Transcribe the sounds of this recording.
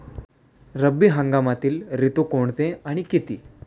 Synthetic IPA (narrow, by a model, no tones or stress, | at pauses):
ɾəbːiːɦəŋɡamat̪iːlɾit̪ukoɳt͡s̪ẽaɽ̃ikit̪ḭː